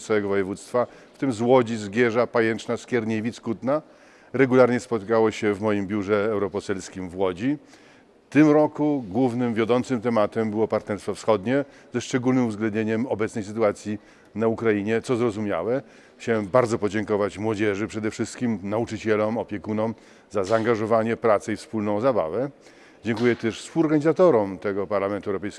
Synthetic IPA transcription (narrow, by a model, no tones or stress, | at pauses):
t̪awɛɡɔvɔjɛvut̪st̪faft̪ɘmzwɔd͡ʑizɡʲjɛʐapajɛnt͡ʂnaskʲjɛɾɲevʲiskut̪na | ɾɛɡulaɾɲɛspɔt̪kawɔɕɛvmɔjimbʲjuʐɛːwɾɔpɔsɛlskʲimvwɔd͡ʑi | ft̪ɘmɾɔkuɡwuvnɘmvʲjɔd̪ɔnt̪sɘmt̪ɛmat̪ɛmbɘwɔpaɾt̪nɛɾst̪fɔfsxɔd̪ɲɛ | zɛʂt͡ʂɛɡulnɘmuvzɡlɛnd̪ɲeɲɛmɔbɛt̪snɛjsɘt̪uat̪sʲji | naukɾaiɲɛt̪sɔzɾɔzumʲja̰wɛ | xt͡ɕawɛmbaɾd̪zɔpɔd͡ʑɛŋkɔvat͡ɕmwɔd͡ʑɛʐɘpʂɛd̪ɛfʂɘst̪kʲimnaut͡ʂɘt͡ɕɛlɔmɔpʲjɛkunɔm | zazaːŋɡaʐɔvaɲɛpɾat̪sɛifspulnɔ̃w̃zaba̰vɛ | d͡ʑɛŋkujɛt̪ɛʂspulɔɾɡaɲizat̪ɔɾɔmt̪ɛɡɔpaɾlamɛnt̪uɛwɾɔpɛjsk